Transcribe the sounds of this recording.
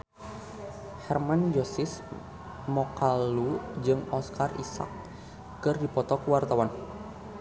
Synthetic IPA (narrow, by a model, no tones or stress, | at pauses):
hɛrmand͡ʒosɪs | mɔkalud͡ʒɨŋɔskarḭsa̰k̚ː | ɨrdipɔt̪ɔkuwart̪awan